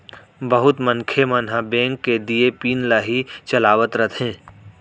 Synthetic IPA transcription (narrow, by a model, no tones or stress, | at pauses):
bəɦʊt̪mənkʰemənɦabẽːŋkːed̪iepiːnlaːɦit͡ʃəlaːʋət̪ɾət̪ʰɦɛ̃ː